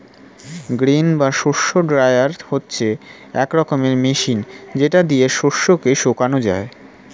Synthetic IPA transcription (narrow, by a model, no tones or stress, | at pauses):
ɡɾinbaʃoʃoɖɾajaɾhotːɕʰe | ɛkɾɔkomeɾmeʃind͡ʑeʈad̪ieʃoʃːokeʃokanod͡ʑa̰e